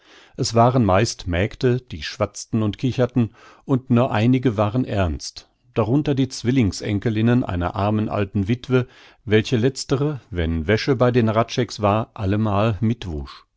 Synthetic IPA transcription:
ʔɛsv̥aːʁənmaɪstmɛːktəd̥iːʃv̥at͡stn̩ʊntkʰɪçɐtn̩ʔʊntnuːɐʔaɪnɪɡəvaːʁənʔɛɐnst | d̥aʁʊntɐdiːt͡sv̥ɪlɪŋsʔɛ̰ŋkəlɪnənʔa̰ɪnɐ̰ʔa̰ɐmənʔa̰ltn̩vɪtv̥ə | vɛlçəlɛt͡stəʁəvɛnvɛʃəbaɪdeːnʁatʃɛksv̥aːɐʔaləmaːlmɪtv̥ṵʃ

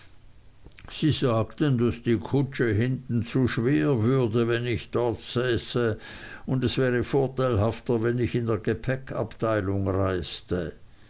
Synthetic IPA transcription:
z̥iːzaːktəndasd̥iːkʰʊt͡ʃəɦɪntn̩t͡suːʃv̥eːɐvʏɐdəvɛnɪçd̥ɔɐtsɛːsə | ʊndɛsv̥ɛːʁəfoːɐtʰaɪlɦaftɐvɛnɪçɪndeːɐɡ̥epʰɛkʰa̰ptʰaɪlʊŋʁaɪstə

